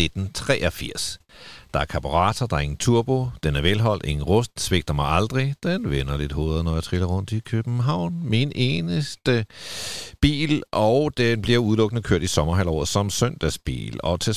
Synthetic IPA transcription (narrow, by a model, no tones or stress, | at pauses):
ed̥n̩t͡sʰʁɛ̰ːɒfiɐ̰sd̥ɑ̈æɐkʰɑ̈b̥oʁɑ̰̈ːt͡sʰɐd̥ɑ̈ɐe̝ŋn̩t͡sʰuɐ̰b̥o̝d̥enæɐʋelɦɒ̽l̰d̥e̝ŋn̩ʁɔsd̥sʋe̝ɡ̥d̥ɐmɑ̈ɪɑ̈ld̥ʁid̥enʋenɐle̝d̥ho̝̰ːðˠð̩ˠnɒjät͡sʰʁilɐʁɔ̽n̰d̥ikʰøb̥m̩ɦɑ̈ʊ̰nminʔe̝ːnəsd̥ə | b̥ḭːlʔɒʊd̥enb̥liɐuð̞ˠlɔ̽ɡ̥nəkʰøɐ̰d̥isɒ̽mɐɦæl̰ɒ̰ːð̩ˠsɒ̽msœn̰d̥æsb̥ḭːlɒ̽t͡sʰe̝